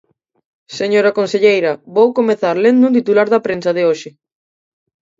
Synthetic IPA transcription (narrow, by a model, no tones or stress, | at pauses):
seɲoɾɐkonseʎejɾɐβowkomeθaɾlend̪unt̪it̪ulaɾðɐpɾensɐðeoʃɪ